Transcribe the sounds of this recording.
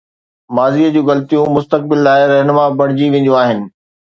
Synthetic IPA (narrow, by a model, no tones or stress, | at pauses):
maːziːəd͡ʑũːɣɐlt̪ijũmʊst̪ək̚bɪlːaːɪɾɛɦnʊmabɐɽ̤̃d͡ʑiʋẽːn̆d̪ũaːɦɪnɪ̆